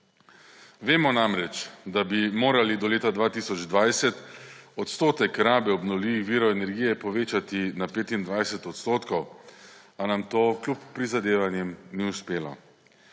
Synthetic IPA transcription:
ʋeːmɔnamɾɛt͡ʃd̪abimoːɾalid̪ɔleːt̪ad̪ʋaːt̪iːsɔd͡ʒd̪ʋajsɛt̪ɔt̪st̪oːt̪ɛkɾaːbɛɔbnɔwliːʋixʋiːɾɔɛnɛɾɡiːjɛpɔʋeːt͡ʃat̪inapeːt̪ind̪ʋajsɛt̪ɔt̪st̪oːt̪kɔw | anamt̪oːklupːɾizad̪eːʋanjɛmniuspeːlɔ̰

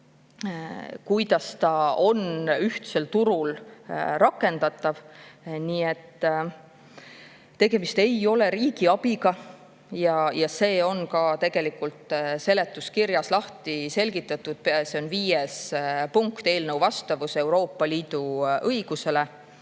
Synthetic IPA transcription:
kujd̪ɑst̪ɑo̞nyht̪se̞lt̪uɾulrɑkːˑe̞nd̪̥ɑt̪ːˑɑvniːet̪ː | e̞ɡe̞mist̪e̞jo̞le̞ɾiːɡ̥iɑb̥iɡɑ | jɑjɑse̞ːo̞nkɑt̪e̞ɡ̥e̞likult̪ˑse̞le̞t̪ːˑuskirjɑslɑht̪ise̞lɡ̥it̪ːˑɑt̪ːˑud̪̥seo̞nviːjespuŋkt̪e̞ːlnəwvɑst̪ɑvuse̞uwɾo̞ːpːˑɑliːd̪̥uʔɤiɡ̥use̞le̞

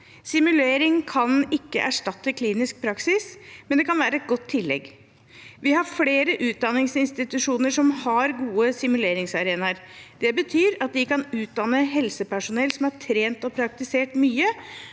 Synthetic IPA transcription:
sɪmʉleːɾɪŋkʰɑnɪkːə̰ʔæʂʈɑt̪ːəkʰliːnɪsk̚pʰɾɑksɪsmɛnd̪ɛkʰɑnʋæːɾəɛt̪̚ɡɔt̪ʰːɪlːɛ̰ɡ | ʋɪhɑɾfleːɾəʔʉːt̪̚d̪ɑnːɪŋsɪnst̪ɪt̪ʉʂuːnəʂɔmhɑɾɡuːəsɪmʉleːɾɪŋsɑɾeːnɑɾd̪̥ɛbət̪ʰyːɾɑt̪̚d̪ɪkɑnʉːt̪̚d̪ɑnəɦɛlsəpʰæʂʊnɛlːsɔmhɑʈʰɾeːnt̪ɔpʰɾɑk̚t̪ɪseːʈmyːə

